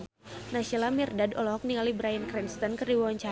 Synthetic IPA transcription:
nasilamirdadɔlɔɦɔk̚niŋalibɾajənkɾɛnst̪ənkɨrdiwawaɲt͡ʃa

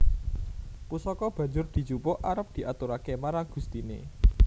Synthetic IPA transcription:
pusɔkɔb̥ä̤ɲd͡ʒʊrd̪̥i̤t͡ʃupʊʔaɾəp̚d̪̥i̤ʔat̪uɾakemaɾaŋɡ̥ṳst̪inḛ

